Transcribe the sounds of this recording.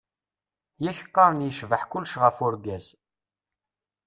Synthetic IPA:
jæçə̥qːɑɾˤnjəʃvəħkʊlʃʁəfʊɾɡæz

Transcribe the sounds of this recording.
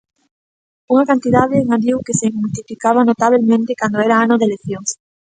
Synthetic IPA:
uŋakant̪iðaðeːŋaβiwkeseŋult̪ifikaβ̞anot̪aβelmẽnt̪ekand̪oɛɾaanoðeleθjoŋs

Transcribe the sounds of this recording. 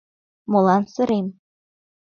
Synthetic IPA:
mŏlˠɑnsɤ̆ɾemʲ

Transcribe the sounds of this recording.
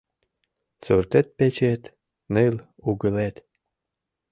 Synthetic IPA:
t͡surt̪et̪̚pet͡ɕet̪ | nɨl | uɣəlet̪

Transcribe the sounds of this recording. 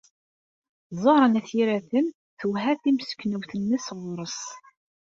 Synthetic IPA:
zˤoɾˤənæθiɾæθəm | θuwɦæθimsə̥kːnəwθənːəsʁɾˤəs

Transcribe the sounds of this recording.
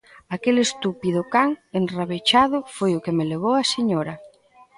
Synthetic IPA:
akelest̪upiðʊkaŋenraβet͡ʃaðʊfojʊkemeleβ̞owɐseɲɔɾɐ

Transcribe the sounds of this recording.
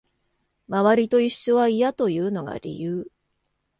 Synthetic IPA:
maβaɾʲit̪o̞iɕːo̞β̞aijat̪o̞jɯ̟ːno̞ɡa̰ɾʲḭjɯː

